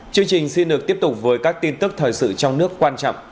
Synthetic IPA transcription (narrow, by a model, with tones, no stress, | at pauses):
t͡ɕɨ˧əŋt͡ɕï˨˩ŋ̟si˧nɗɨ˨˩ək̚t̪i˦˥əp̚t̪ʊ˨˩k͡p̚vəː˨˦jkaː˦˥k̚t̪i˧nt̪ɨ˦˥k̚t̪ʰəː˨˩jsɨ̰˧˨t͡ɕɔ˧wŋ͡mnɨ˦˥əkːwaː˧nt͡ɕɔ̰˧˨ŋ͡m